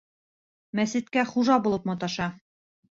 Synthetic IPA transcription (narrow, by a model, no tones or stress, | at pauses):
mæsɘ̆t̪kæχuʒɑbulˠɤpmɒt̪ɑʃɑ